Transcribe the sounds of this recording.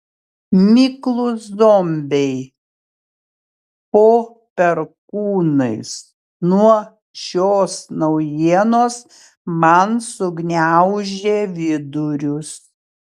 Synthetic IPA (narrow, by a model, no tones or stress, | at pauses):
mʲɪklˠʊsd̪omʲbʲɛɪ | poː | pʲɛɾkuːnɐɪs | nuɔ | ʃʲoːsnɐʊjiɛnoːs | mɐnsʊɡnʲæʊʒʲeːʋʲɪd̪ʊɾʲʊs